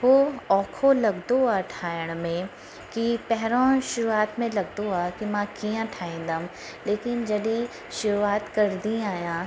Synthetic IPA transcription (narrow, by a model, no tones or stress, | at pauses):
ʋoɔːkʰolɐɡd̪oaʈʰaːjəɽ̃mẽ | kipɛɦɾõʃʊɾuaːt̪mẽlɐɡd̪oakimãːkijãʈʰaːẽd̪ɐm | leːkɪnd͡ʒɐd̪i | ʃʊɾuaːt̪kɐɾd̪iaːjã